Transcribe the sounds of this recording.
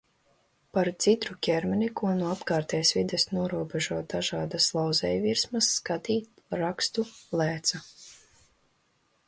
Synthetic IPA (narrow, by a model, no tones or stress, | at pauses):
paɾt̪sit̪ɾukʲɛɾmʲɛnikuɔnuɔapkaːɾt̪ɛjsvid̪esnuɔɾuɔbʲeʒuɔt̪̚d̪aʒaːd̪aslˠawzɛjviɾsmɐsːkat̪iːt̪ | aɾakst̪ulˠæːt̪sa